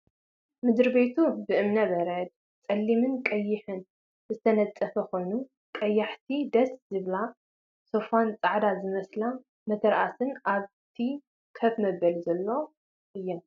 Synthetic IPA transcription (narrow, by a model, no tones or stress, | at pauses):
mɨd̪ɾbet̪ʰubɨʔɨmnɐbɐɾɐd̪̚ | t͡sʼɐlːimɨnkʼɐjːɪħɨn | zɨt̪ʰɐnɐt͡sʼɐfɐxo̞jnu | kʼɐjːaħt̪ʰid̪ɐszɨβla | sofant͡sʼaʕd̪azɨmɐsla | mɐt̪ʰɐɾʔasɨnʔaβ | t̪ʰi | kʰɐfmɐbɐlzɐlːo̞ | ʔɨjːɛn